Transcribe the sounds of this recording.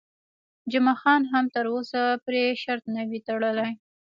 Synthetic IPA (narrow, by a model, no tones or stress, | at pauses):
d͡ʒʊmɑxɑnɦamt̪əɾosapɾeʃaɾt̪nawit̪aɽəlaj